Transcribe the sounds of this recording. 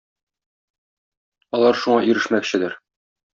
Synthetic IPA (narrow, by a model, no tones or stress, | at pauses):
ɒlˠɑɾʃuɴɑiɾɘ̆ʃmækɕɘ̆d̪æɾ